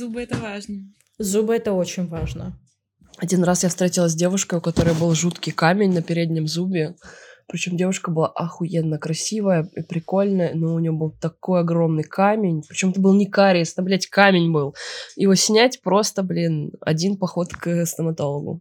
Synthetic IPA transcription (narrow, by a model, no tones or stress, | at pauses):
zubɨɛt̪əvaʐnə | zubəɛt̪əo̞t͡ɕɪnʲvaʐnə | ɐdʲinrasjafst̪ɾʲetʲilˠəs̬ʲdʲe̞vʊʂkəjʊkɐt̪o̞ɾəjəbɨlˠʐut̪kʲɪjkamʲɪnʲnəpʲɪɾʲedʲnʲɪmzubʲɪpɾʲɪt͡ɕo̞mdʲe̞vʊʂkəbɨlˠaʔɐxʊjenːəkɾɐsʲivəjəipɾʲɪko̞lʲnəjənoʊnʲɪvʲobɨlˠt̪ɐko̞jɐɡo̞mnɨjkʰamʲɪnʲpɾʲɪ̥t͡ɕomɛt̪əbɨlˠnʲɪkaɾʲɪjɐst̪ɐblʲætʲkamʲɪnʲbɨlˠjɪvosʲnʲætʲpɾo̞st̪əblʲinɐ̰dʲinpɐxo̞t̪kɨst̪əmɐt̪o̞lˠəɡʊ̰